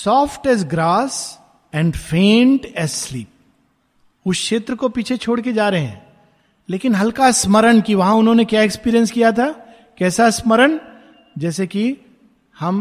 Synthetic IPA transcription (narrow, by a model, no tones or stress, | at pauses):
sɔːfʈɛːzɡɾaːs | ɛ̃ːɳɖfẽːɳʈɛːzsliːp̚ | ʊsʃeːt̪ɾəkopiːt͡ʃʰet͡ʃʰoːɽked͡ʒaːɾɐɦeɦɛ̰̃ː | leːkɪnɦɐlkasməɾəɳkiʋɐɦãʊnɦõnekjaːekspiːɾijə̃nskijat̪ʰa | kɛːsasməɾəɳ | d͡ʒɛːseki | hɐm